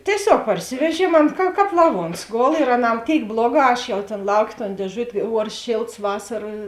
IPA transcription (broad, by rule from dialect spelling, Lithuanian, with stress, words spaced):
tʲiɛˈsʲoːk pɐrʲˈsʲɪʋʲɛˌʒʲiɛm ˈɐn kɐ ˈkɑːp lˠɐˈʋuɔns ˈɡoːlˠ ɪr ɐˈnɑː ˈtʲeːɪk ˈblˠoːˌɡɑː ˈɐʃ jɛʊ tʲeːn ˈlˠɐʊˌkʲeː toːn dʲeːˈʒʊtʲ ˈuɔrs ˈʃʲeːlˠts ˈʋɑːsɐrɐ